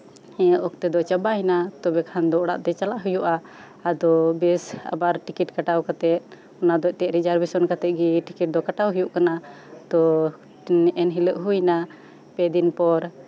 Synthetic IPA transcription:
ɛʔɔk̚t̪ɛd̪ɔt͡ʃabaɦinat̪ɔbɛkʰand̪ɔʔɽa̰ʔt̪ɛt͡ʃalaʔɦujuʔaː | d̪ɔbɛsa̰baɾʈikiʈkaʈawkat̪ɛt̪̚ˀ | ɔnad̪ɔʔt̪ɛʔɾid͡ʒaɾbɛsɔnkat̪ɛt̪̚ɡiʈikiʈ̚d̪ɔkaʈawɦujuʔkana | t̪ɔ | ɛnɦiləʔɦujna | pɛd̪inpɔɾ

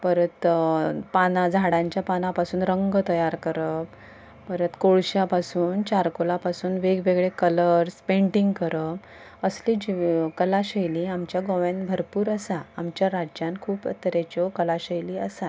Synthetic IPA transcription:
pəɾət̪panad͡zʱaɽãɲt͡ɕjapanapasuːnɾəŋɡət̪əjaɾkəɾəp | pəɾət̪koɭɕjapasuːnt͡ɕaɾkolapasuːnʋeɡʋeɡɭekələɾspeɳʈiŋɡkəɾə | əsliːd͡ʑikəlaɕəjliːamt͡ɕjaɡoʋẽnbʱəɾpuːɾəsaamt͡ɕjaɾad͡ʑjankʰuːpə̰t̪əɾet͡ɕɔkəlaɕəjliːəsa

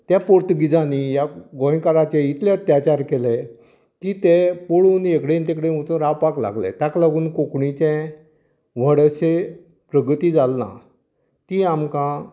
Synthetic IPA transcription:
t̪japoɾt̪əɡid͡zanijaɡɔ̃j̃kaɾat͡ɕɛ̃it̪ʰleət̪jat͡ɕaɾkelɛ | kiːt̪ɛpoɽuːnekɽẽnt̪ẽkɽem̤ot̪uɾaʋpakla̰ɡlɛ̰t̪aklaɡuːnkokɳit͡ɕɛ̃ | ʋ̤əɽəɕe | pɾəɡt̪iːd͡zalːã̰ | t̪iːamkã

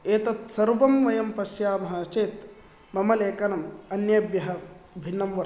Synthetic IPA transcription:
eːt̪ɐt̪sɐɾʋɐmʋɐjɐmpɐsjaːmɐɦɐːt͡ʃeːt̪ | mɐmɐleːkɐnɐmɐnjɐbjɐɦɐ̆bʱinːɐmʋɐ

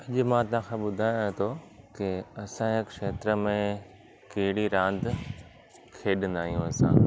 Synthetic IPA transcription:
ɐʄ̆mãːt̪ɐãkʰãːɓʊd̪ʱaːjẽt̪ʰoːkɪɐsãɪkʃeːt̪ɾəmẽ | keɦɪɽiɾãːnd̪ | kʰeːɗə̃nd̪aːɦijũɐsã̰ː

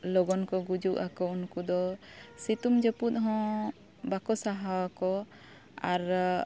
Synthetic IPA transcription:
lɔɡɔnkɔɡud͡ʒuʔakɔunkud̪ɔsit̪umd͡ʒɛput̪̚ˀɦɔ̃ | bakɔsaɦawakɔ | aɾ

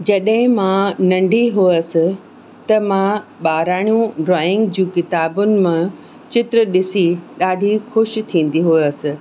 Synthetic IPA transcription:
d͡ʑɐɗɦɪ̃mãːnɐ̃ɳɖʱiɦuəsɪ̆ | t̪ɐmãɓaːɾaːɽ̃ijũɖɾɔːɪ̃ŋɡd͡ʑũːkɪt̪aːbʊnɪ̆mã | t͡ɕɪt̪ɾəɗɪsiɗaːɖʱixʊʃt̪ʰĩːn̆d̪iɦuəsɪ̆

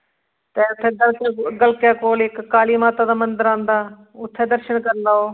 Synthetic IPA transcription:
t̪eːʊt̪ʰːeːɡəlkːɡəlkjaːkoːlɪkːaːliːmaːt̪aːd̪aːmənd̪əɾãːnd̪aː | ʊt̪ʰːeːd̪əɾʃəɳkəɾlaːoː

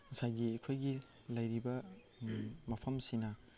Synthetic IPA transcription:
sajɡikʰojɡi | lajɾibɐ | mɐpʰɐmsinɐ

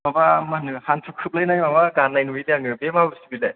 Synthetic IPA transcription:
babamanɯhantʰukʰɯp̚lajnajmabaɡanːajnuideaŋɯbemabɯsibilaj

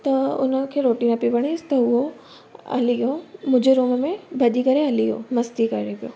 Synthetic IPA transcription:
t̪ɐʊ̰nəkʰeːɾoːʈĩnɐpipɐɽ̃ist̪ɐʊɦo | ɐ̰lijõmʊ̃ːd͡ʑeɾuːmmẽbʱɐɗikɐɾeɦɐlijo̰mɐst̪ikɐɾepijo̰ː

